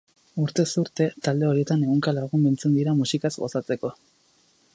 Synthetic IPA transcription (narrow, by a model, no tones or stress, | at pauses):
uɾt̪e̞suɾt̪e̞t̪ald̪e̞o̞ɾie̞t̪ane̞ɣoŋkalaɣ̞umbint͡se̞nd̪iɾamusikazɡo̞sat͡se̞ko̞